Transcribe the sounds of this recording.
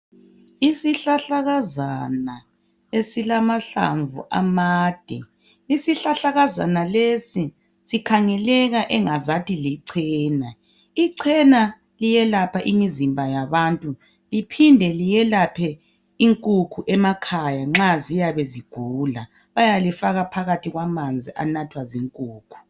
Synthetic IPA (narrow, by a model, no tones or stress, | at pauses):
isiɬaɬaɣazana | esilamaɬa̰ɱvṵʔa̰maːd̥ʱɛ̰ | isiɬaɬaɣaza̰nalesi | sikʰaŋɛlɛɣaʔɛŋazatʰʼiliǀʰɛːna | iǀʰɛna | lijɛlapʰaʔimizimbʱajaβantʼu | lipʰindʱɛlijɛlapʰɛ | iŋkʼukʰuʔɛmakʰajaŋ͡ǁazijaβeziɡ̥ʱuːla | βajalifaɣapʰaɣatʰiɣwamand͡zʱiʔa̰natʰwaziŋkʼuːkʰu̥